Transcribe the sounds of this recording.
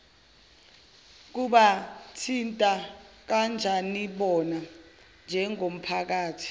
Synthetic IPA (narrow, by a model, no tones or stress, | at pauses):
k̬uɓatʰintʼak̬and͡ʒʱaniɓɔna | nd͡ʒʱɛŋom̩pʰak̬aːtʰi̥